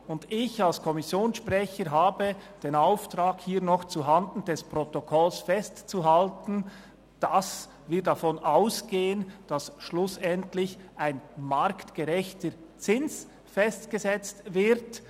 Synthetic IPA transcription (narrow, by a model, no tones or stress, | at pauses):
ʊndɪçalskʰɔmɪsjoːnsʃpʁɛçəɾɦaːbəd̥eːnaʊftʁaːkhiːɐnɔχt͡suɦandn̩dɛspʁɔtokʰɔlsfɛstt͡suɦaltn̩ | d̥as | vɪdafɔnʔaʊsɡ̥eːənd̥asʃlʊsɛntlɪçʔaɪnmaɾktɡ̥əʁɛçtət͡sɪns | fɛstɡ̥əzɛt͡stvɪɾt